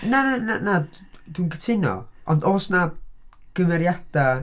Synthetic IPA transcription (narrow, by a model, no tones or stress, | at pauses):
nanana | d̥winkʰə̥tʰɪnɔ̰ɔndoːsna | ɡ̥əmɛɾjad̥a